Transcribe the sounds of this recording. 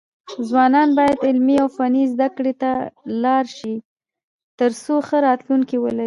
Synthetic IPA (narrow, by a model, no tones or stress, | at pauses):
zwɑnɑnbɑjad̪ɪlmiawfanizd̪akɽet̪alɑɾʃi | t̪əɾsoxəɾɑt̪luŋkiwəlai